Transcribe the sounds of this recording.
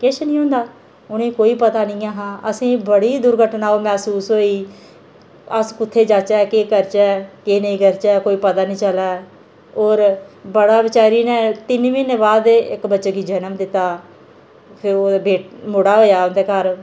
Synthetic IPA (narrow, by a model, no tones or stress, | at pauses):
kɪʃnĩːɦõːnd̪aː | ʊnĩːkoːiːpət̪aːnĩːaːɦãːʔəsĩːbəɽiːd̪ʊɾɡʱəʈnaːoːmɛːsuːsɦoːiː | əskʊt̪ʰːeːd͡ʒaːt͡ʃɛːkeːkəɾt͡ʃɛːkeːnəĩːkəɾt͡ʃɛːkoːiːpət̪aːnĩːt͡ʃəlaː | oːɾbəɽaːbɪt͡ʃaːɾiːnɛ̃ːt̪ɪnminebaːd̪ɪkbətːʃeːkiːd͡ʒənəmd̪ɪt̪ːaː | pʰɪɾoːbeːʈmʊɽaːɦoːjaːʊnd̪eːkəɾ